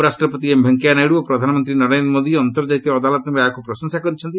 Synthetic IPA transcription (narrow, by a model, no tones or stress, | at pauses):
ɾasʈɾɔpɔt̪iembʱeŋkjanajɽuɔpɾɔd̪ʱanɔmɔnt̪ɾinɔɾenɾɔmod̪iɔnt̪ɔɾd͡ʒajt̪iɔːd̪alɔt̪ɔmakupɾɔsɔŋsakɔɾit͡ʃʰɔnt̪i